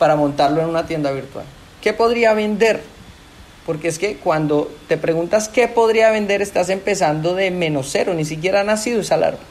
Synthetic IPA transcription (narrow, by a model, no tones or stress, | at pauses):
paɾamo̞nt̪aɾlo̞e̞nunat̪je̞nd̪aβiɾt̪wa̰l | ke̞po̞ðɾiaβe̞nd̪e̞ɾ | po̞ɾkeeske̞kwand̪o̞t̪e̞pɾe̞ɣunt̪aske̞po̞ðɾiaβe̞nd̪e̞ɾe̞st̪as̬e̞mpe̞s̬and̪o̞ðe̞me̞no̞se̞ɾo̞nis̬ik̬je̞ɾaanasiðoesala̰ɾba